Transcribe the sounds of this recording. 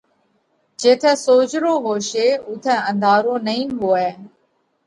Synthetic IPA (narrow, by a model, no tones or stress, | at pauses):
d͡ʒeːt̪ʰɛ̃ːsoːd͡ʒɾoːɦoːʃeːʊt̪ʰɛ̃ːə̃nd̪ʱaːɾoːnəĩːnɦoːɛː